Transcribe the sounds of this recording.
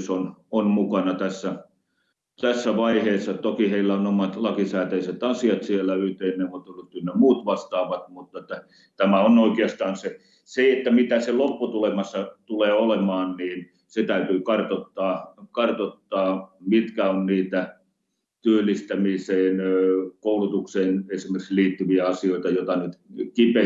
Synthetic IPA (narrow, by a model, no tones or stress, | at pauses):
sononmukɑnɑt̪æsːæ | t̪æsːæʋɑiheːsːɑt̪okiheilːæonomɑt̪lɑkisæːt̪æiset̪ɑsiɑt̪sielːˑæyht̪einːeʋot̪olːut̪ːynnemuːt̪ʋɑst̪ɑːʋɑt̪mut̪ːˑɑet̪ːæ | t̪æmæonoikeɑst̪ɑːnse | seet̪ːæmit̪æselopːut̪ulemɑsːɑt̪uleːolemɑːnniːn | set̪æyt̪yːkɑrt̪ot̪ːɑːkɑrt̪ot̪ːɑːmit̪kæonniːt̪æ | t̪yølːˑist̪æmiseːnkoulut̪ukseːnesimerksliːt̪ːyʋiæɑsioˑit̪ɑjot̪ɑnyt̪kipe